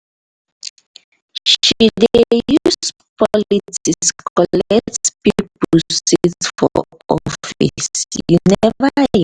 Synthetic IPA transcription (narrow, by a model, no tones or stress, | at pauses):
ʃideejus | pɔlitiskʰɔlɛspipusisfɔ | ɔ̰ffḭsjunɛɛvaj